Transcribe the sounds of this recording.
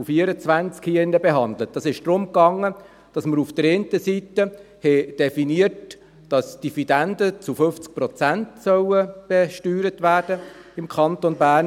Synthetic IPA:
ufiəɾət͡sʋænt͡skhiːɪnːəbɛɦɑndlət̚d̥ɑsɪʃd̥ɾʊmkɑŋːə | d̥ɑsməɾufd̥əɾeːntəsitə | hɛd̥ɛfiniərt | d̥ɑsd̥ifid̥ændət͡sufʏft͡sk̚pɾɔt͡sæntsœwəb̥ɛʃtyːɾətʋæːɾd̥əɪmkʰχɑnt̪onbæːrn

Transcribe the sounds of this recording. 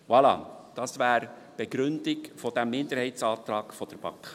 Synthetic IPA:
wɑlɑ̰ːd̪̥ɑsvʋæːɾ | b̥eɡɾʏnd̪ɪkfɔd̥æmːɪnd̪əɾhɛɪsɑːt̪ɾɑːkfɔd̥əɾb̥ɑ̰kχ

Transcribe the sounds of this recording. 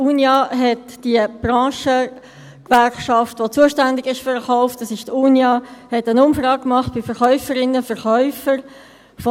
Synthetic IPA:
uːnjɑɦɛtd̥iəb̥rɑ̃ːʃə | kvɛɾχʃɑftvot͡suəʃtændɪɡɪʃfəɾχɔʊftɑsɪʃtuːnjɑhɛtənʊmfɾɑːk̚kmɑχt̚b̥ɪfɛɾχœʏfəɾɪnːəfɛɾχœʏfəɾ | f

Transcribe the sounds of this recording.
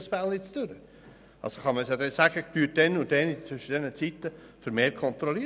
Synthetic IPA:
spælˠnɪt͡st̪ʉɾə | ɑ̰lsoχɑməsjɑd̪ɛsæɡ̥ətyːt̚d̥ɛnʊdɛnit͡sʋʏʃəd̥ɛnət͡sit̪ːə | fəɾmeːɾ̚kʰɔnt̪ɾɔli

